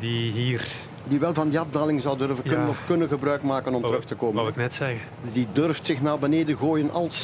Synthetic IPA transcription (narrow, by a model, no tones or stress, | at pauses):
diɦiːr | diʋɛlˠvɑndiɑvdaːlɪŋzɑwdɵrvəknənɔfkɵnənɣəbrœɥkmaːkənɔmtəɾɵxtəkoːməknɛtsɛɣə | didɵrftsɪxnaːbəneːdəɣoːjənɑlˠs